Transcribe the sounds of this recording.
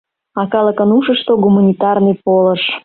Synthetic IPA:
ɑkɑləkənuʃəʃt̪oɡumanʲit̪ɑrnɨjpoləʃ

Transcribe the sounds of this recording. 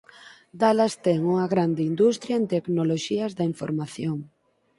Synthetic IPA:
d̪alast̪ɛŋuŋɐɣɾand̪ɪind̪ust̪ɾjaent̪eknoloʃiɐzðɐiɱfo̰ɾmaθjoŋ

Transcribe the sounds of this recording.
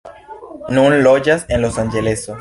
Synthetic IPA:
nũnloʝasenlosanʝeleso

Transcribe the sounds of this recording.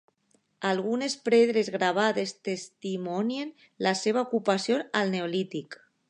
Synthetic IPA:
alɣ̞unespɾeðɾezɣɾaβ̞aðest̪est̪imɔnjen | laseβ̞aukupasjonalneolit̪ik

